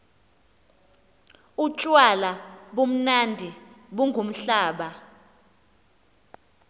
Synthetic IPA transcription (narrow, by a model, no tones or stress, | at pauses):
ut͡ʃʼwalaɓom̩nandʱiɓuŋɡʱum̩ɬaːɓa